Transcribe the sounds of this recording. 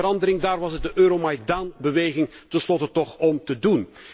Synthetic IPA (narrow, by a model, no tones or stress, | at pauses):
əɾɑndəɾɪŋdaːrʋɑsət̚dəʔøːɾomajdanbəʋeːɣɪŋtənslɔtətɔχɔmtədun